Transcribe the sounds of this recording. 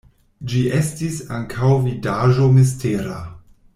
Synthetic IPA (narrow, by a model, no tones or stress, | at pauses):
d͡ʒiʔestisaŋkʰawvidaʒomis̬teɾa̰